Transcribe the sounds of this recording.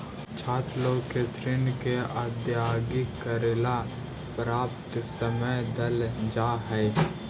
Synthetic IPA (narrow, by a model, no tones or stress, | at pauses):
t͡ʃʰaːt̪lokesɾɪnkead̪jaːɡikəɾela | pɾaːpt̪səməjd̪əld͡ʒaːɦɛː